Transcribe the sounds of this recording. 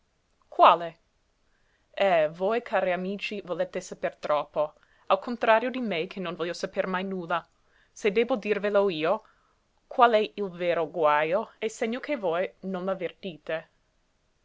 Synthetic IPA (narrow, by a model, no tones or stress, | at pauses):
kʰwaːle | ɛvojkʰaːɾiamiːt͡ʃivolet̪ːesapert̪ɾɔpːo | alkʰont̪ɾaːɾjod̪imekʰenːonvɔljosapermajnuːlːa | sed̪eːbod̪irveloiːo | kʰwalɛilveːɾoɡwajoeseɲːokʰevojnonmavert̪iːt̪e